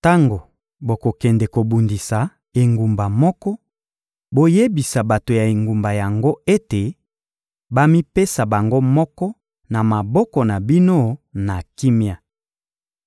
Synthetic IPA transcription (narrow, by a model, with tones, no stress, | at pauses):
ta˦ŋɡo˨ | bo˨ko˨kɛ˨ndɛ˨ko˨bu˨ndi˨sa˨ | e˨ŋɡu˨mba˨mɔ˦kɔ˦ | bo˦je˦bi˨sa˨ba˨to˨ja˨e˨ŋɡu˨mba˨ja˨ŋɡo˦e˦te˨ | ba˦mi˦pe˦sa˨ba˨ŋɡo˦mɔ˦kɔ˦ | na˨ma˨bɔ˦kɔ˨na˨bi˦no˦na˨ki˦mja˨